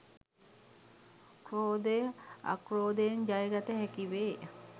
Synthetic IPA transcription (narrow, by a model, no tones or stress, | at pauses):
kɾoːd̪ejəa̰kɾoːd̪ejəɲd͡ʒajɾat̪əɦækiʋeː